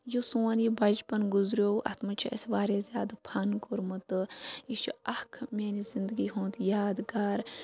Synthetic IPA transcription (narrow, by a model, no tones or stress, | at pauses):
josoːnjibɐd͡ʒpɐnɡʊzɾoːʔɐ̰t̪ʰmɐt͡ʃʰiɐ̰sʋaːɾezʲjaːd̪apʰɐnɡoɾmɨt̪ɨjiʃʰuɐkʰmeːnizɪnd̪əɡiːɦõːt̪jaːd̪ɡaːɾ